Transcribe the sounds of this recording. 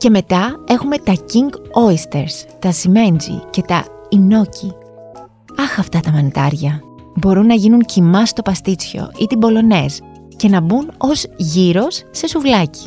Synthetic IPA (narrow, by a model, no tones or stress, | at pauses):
ce̞me̞t̪ɐe̞xume̞t̪ɐciŋɡo̞ist̪e̞ɾst̪ɐsime̞nd͡zḭce̞t̪ɐ | ino̞ci | ɐxɐft̪ɐt̪ɐmɐnit̪ɐɾʝɐ | bo̞ɾunːɐʝinuŋcimɐst̪o̞pɐst̪it͡sço̞̰it̪ibo̞lo̞ne̞s | ce̞nɐbuno̞zʝiɾo̞sːe̞suvlɐci̥